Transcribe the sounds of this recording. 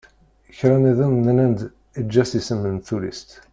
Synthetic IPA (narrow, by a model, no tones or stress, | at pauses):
əçɾæniðənnənænd̪ | id͡ʒːæsisəmːənt̪ːulḭst̪